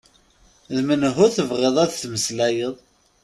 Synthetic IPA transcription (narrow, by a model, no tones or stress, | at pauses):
ðmənɦʊɾθəvʁeðˤæðθməslæjəðˤ